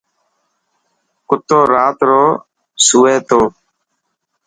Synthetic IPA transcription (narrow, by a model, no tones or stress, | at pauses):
kʊt̪oːɾaːt̪ɾoː | suːeːt̪oː